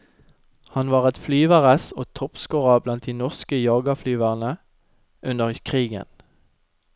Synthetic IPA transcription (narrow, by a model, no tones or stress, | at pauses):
hɑnʋɑːʁɛt̪flyːʋæʁæsoːt̪ʰɔpskoːʁɑblɑnt̪̚d̪iːnɔʁskəjɑːɡɑflyːʋæʁnə | ʔʉnəʁkʰʁiːɡə̰n